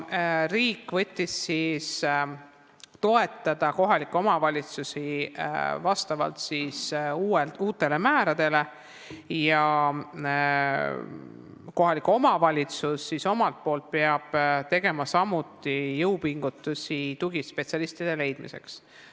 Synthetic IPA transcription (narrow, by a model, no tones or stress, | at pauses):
ɾiːkːˑvɤ̞t̪ʲːisːis | t̪o̞e̞t̪ˑːɑd̪̥ɑko̞ɦɑliko̞mɑvɑlʲit̪susḭ | vɑst̪ɑvɑ̰lt̪sisuːeuːt̪ːˑe̞le̞mæːɾɑd̪̥e̞le̞ | jɑ | ko̞ɦɑliko̞mɑvɑlʲit̪susːiso̞mɑlt̪̚po̞ːlt̪̚peɑb̥t̪e̞ɡ̥e̞mɑsɑmut̪ːˑijɤwpiŋɡ̥ut̪ːˑusit̪uɡ̥ispe̞t̪siɑlist̪id̪̥e̞le̞jd̪̥mḭse̞̰ks